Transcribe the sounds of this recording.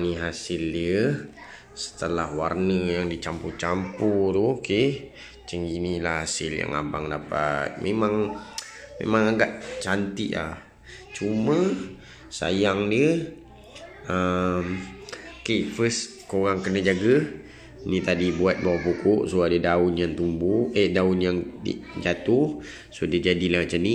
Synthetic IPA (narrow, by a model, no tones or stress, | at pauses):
niɦasildə | sə̥t̪əlahwarnəjaŋdit͡ʃamput͡ʃamput̪oke | t͡ʃəŋinilahasɪlja̰ŋa̰baŋdapa̰t̪̚memãŋ | mḛmaŋaɡaʔt͡ʃant̪iʔla̰h | t͡ʃumə̃ | sa̰jaŋdiə | əm | kefəs | koɣaŋkənad͡ʒaɡə | nĩt̪adibuat̪̚bawapukʊʔsoadədaʊnjaŋt̪umbuʔəhdaʊnjaŋtḭʔd͡ʒat̪u | sodəd͡ʒadilat͡ʃani